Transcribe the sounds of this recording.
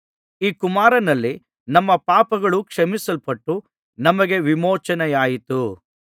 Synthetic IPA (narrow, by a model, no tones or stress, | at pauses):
iːkumaːɾɐnɐlːi | nɐmːɐpaːpɐɡɐɭukʂɐmisɐlpɐʈːu | nɐmɐɡe̞ʋimɔːt͡ʃɐnɛjaːjit̪u